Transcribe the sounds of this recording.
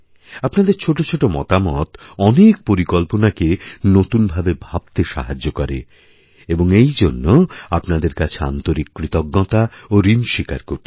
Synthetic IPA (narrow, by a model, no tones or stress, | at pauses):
apnad̪eɾt͡ɕʰoʈot͡ɕʰoʈomɔ̰t̪amɔt̪ɔnek̚poɾikɔlponakenot̪unbʱabebʱab̚t̪eʃa̰ɦad͡ʑːokɔɾḛ | eboŋejd͡ʑonːoapnad̪eɾkat͡ɕʰea̰nt̪oɾikːɾit̪ɔɡːɔt̪aoɾinʃika̰ɾkoɾ